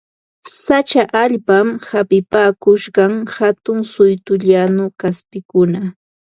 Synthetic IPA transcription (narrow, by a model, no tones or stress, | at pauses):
sat͡ʃaʔaʎpamhapɪpaːkʊʃɢɑŋhat̪ʊŋsʊjt̪ʊʎanʊkaspɪkʊna